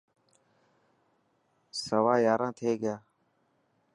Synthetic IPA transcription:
səʋaːjaːɾãːt̪ʰeːɡɪjaː

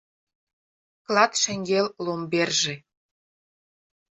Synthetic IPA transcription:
klɑt̪ʃɘ̆ŋɡellomberʒĕ

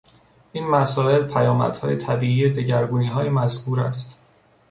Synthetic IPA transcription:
ʔiːnmæsɒːe̞lpʰæjɒːmæ̰d̪̥hɒ̰ːjet̪ʰæbiːiːjed̪eɟæɾɡuːniːɦɒːjemæzhuːɾæ̰st̪

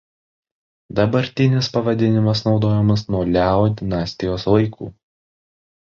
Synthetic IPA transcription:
d̪ɐbɐɾʲt̪ʲɪnʲɪspɐʋɐd̪ʲɪnʲɪmɐsnɒʊd̪oːjɛmɐsnuɔlʲæod̪ʲɪnɑːsʲt̪ʲɪjoːslˠɐɪkʰṵː

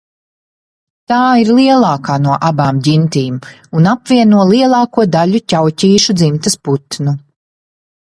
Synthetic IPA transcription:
t̪aːiɾlˠiɛlˠɑːkaːnuɔʔabaːmɟint̪iːm | unapviɛnuɔlˠiɛlˠɑːkuɔd̪alucʲawcʲiːʃud̪zimt̪ɐsput̪nu

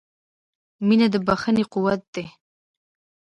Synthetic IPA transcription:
minad̪əbaxəneqʊwat̪̚d̪̥e

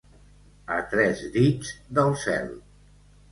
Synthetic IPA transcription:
ət̪ɾɛzðid͡zd̪əlˠsɛ̰lˠ

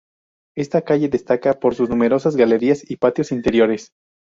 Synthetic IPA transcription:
e̞st̪akaʝe̞ðe̞st̪akapo̞ɾsuznume̞ɾo̞sazɣale̞ɾiasipat̪jo̞sint̪e̞ɾjo̞ɾe̞s

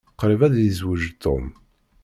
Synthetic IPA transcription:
qɾəvæðjəzwəʒt̪ːo̰m

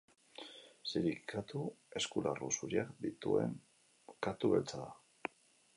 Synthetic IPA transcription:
siɾikʰat̪ue̞skularusuɾiakd̪it̪ṵe̞̰ŋ | kat̪uβe̞lt͡saða

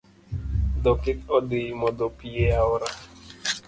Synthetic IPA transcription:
d̪ɔkɪt̪ɔdɪmɔd̪ɔpieaɔɾa

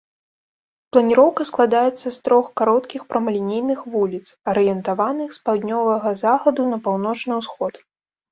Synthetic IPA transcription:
plˠɐnʲiɾɔwkɐsklˠad̪ajɛt̪sːɐst̪ɾɔxkaɾɔt̪kʲixpɾɐmɐlʲinʲejnɨxvulʲit̪sɐɾɨjɛnt̪avanɨxspawd̪ʲnʲɔvɐɣɐzaxɐd̪unɐpawnɔt͡ʂnɨwsxɔt̪

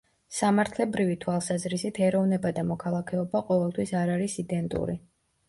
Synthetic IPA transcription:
samaɾt̪ʰlɛbɾivit̪ʰwalˠsazɾisit̪ʰɛɾɔvnɛbad̪amɔkʰalˠakʰɛɔbaqʼɔvɛlˠt̪ʰwisaɾaɾisid̪ɛnt̪ʼṵɾi

